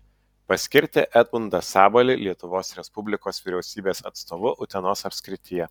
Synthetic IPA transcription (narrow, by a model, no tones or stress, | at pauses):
pɐsʲkʲɪɾʲt̪ʲḛːʔɛt̪̚bʊnd̪ɐsɑːbɐlʲɪlʲiɛt̪ʊʋoːsɾʲɛspʊbʲlʲɪkoːsʋʲɪɾʲɛʊsʲiːbʲeːsɐ̰t̪st̪oːʋʊʔʊt̪ʲɛnoːsɐpʲsʲkʲɾʲɪt̪ʲɪjɛ